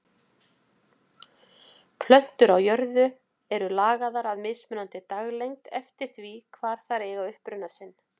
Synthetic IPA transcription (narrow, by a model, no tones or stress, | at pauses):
pʰlœn̥t̪ʏɾawjœɾðʏ | ɛɾʏlaːɣaðaɾaðmɪːsmɛnant̪ɪt̪aɣlejŋt̪ɛ̰ft̪ɪɾ̥θvikʰvaːɾ̥θaɾɛːɣaʏhpɾʏnːasɪnː